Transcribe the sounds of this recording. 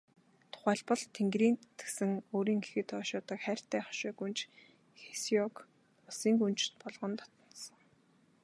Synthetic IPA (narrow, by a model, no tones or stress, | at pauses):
t̪ʰʊ̥χæːɮpə̆ɮt̪ʰːeŋɡɾiːnt̪ĕ̥ksɘ̆ŋoːɾiːŋɡexɘ̆t̪ʰɔːʃʊːt̪ə̆kχæːr̥ʲt̪ʰæːχɔ̥ʃʊːɡunt͡ɕ | xe̥siɔk | ʊsiːŋɡunt͡ɕt̪pɔɮʁɞ̆nt̪ɔ̥t̪ɞ̆n̥t̪sə̆ŋ